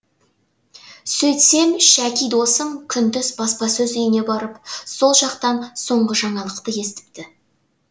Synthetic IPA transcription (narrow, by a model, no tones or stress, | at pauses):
sɵjt̪se̞mʃækʲijd̪o̞səmkʲʰʏnd̪ʏzbɑspɑsɵzʏjɪne̞bɑɾəpso̞lˠʒɑqt̪ɑnso̞ɴʁəʒɑɴɑlˠəqt̪əje̞st̪ɪ̥pt̪ɪ